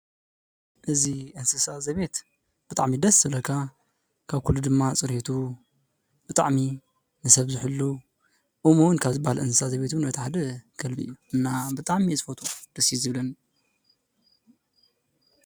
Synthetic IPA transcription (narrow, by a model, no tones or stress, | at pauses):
ʔɨziʔɨnsɨsazɐβe̞t̪ | b̥ɨt̪ʼaʕmid̪ɐsɨlɐkʰa | kʰaβkʰulːud̪ɨmːat͡sʼɨɾhet̪ʰu | b̥ɨt̪ʼa̰ʕmi | nɨsɐβzɨħɨlːu | ʔumuwnkʰaβzɨbahalʔɨnsɨ̥sazɐβe̞t̪unbɐt̪ʰħad̪ɐɡɐlbiʔɨ̰jːuʔɨnːabɨt̪ʼaʕmisʼfot̪ʰʼod̪̥ɐsizɨβlɐn